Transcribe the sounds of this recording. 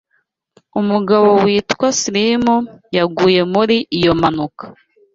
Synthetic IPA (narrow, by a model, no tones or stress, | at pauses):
umuɡaβo̞wiːtkwasilimujaɡuːje̞muɾiʔijo̞manukḁ